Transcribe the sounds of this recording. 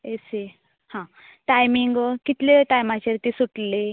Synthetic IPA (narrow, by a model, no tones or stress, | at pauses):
ese | hã | ʈajmiŋɡkit̪leʈajmat͡ɕeɾt̪isuʈle